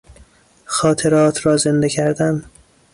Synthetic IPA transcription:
xɒːt̪ʰe̞ɾɒːt̪ʰɾɒːze̞nd̪ecʰæɾd̪æm

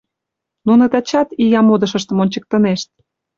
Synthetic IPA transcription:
nunət̪ɑt͡ɕɑt̪ijɑmod̪ə̆ʃə̆ʃt̪ə̆monʲt͡ɕə̆k̚t̪ə̆neʃt̪̚

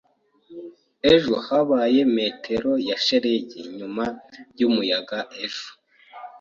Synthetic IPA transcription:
eʒuhaβaːje̞me̞ːtʰe̞ɾo̞jaʃeɾeɟiɲumaɾjumujaɡaʔeʒu̥

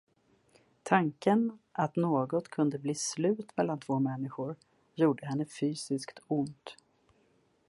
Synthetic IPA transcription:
t̪ʰaŋkənʔat̪noːɡɔt̪kʰɵnd̪əbliːslʉ̟ːt̪mɛlːant̪ʰv̥oːmɛnːɪɧʊɾ | juːɖəɦɛnːəfyːsɪskt̪ʰʊnt̪

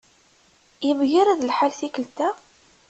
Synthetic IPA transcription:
jəmʝiɾæðlħalθikəlt̪æ

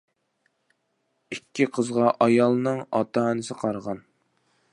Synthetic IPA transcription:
ikʲːiqʰəzʁɑʔɑjɑlˠnɨŋɑt̪ʰɑnɨsɨqʰɑɾʁɑn

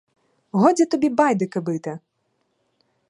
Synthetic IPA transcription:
ɦɔd͡zʲɐt̪ɔbʲibɑjd̪ɪkɐbɪt̪ɐ

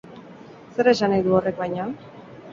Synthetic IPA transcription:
se̞ɾe̞sanajðuo̞re̞k̚bajɲa

